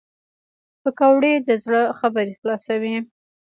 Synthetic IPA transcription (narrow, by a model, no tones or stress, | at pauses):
pəkawɽed̪əzɽəxabəɾexlɑsawi